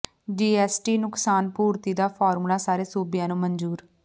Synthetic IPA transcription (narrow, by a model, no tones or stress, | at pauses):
d͡ʒiːɛːsʈiːnʊksaːnpuːɾt̪iːd̪aːpʰaːɾmlaːsaːɾeːsuːbɪjãːnũːmənd͡ʒuːɾ